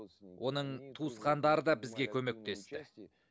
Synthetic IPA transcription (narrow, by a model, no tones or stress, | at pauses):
wʔo̞n̪əɴt̪ʰuəsqɑnd̪ɑɾəd̪ɑbɪzɡʲe̞kʲʰɵme̞k̚t̪e̞st̪ɪ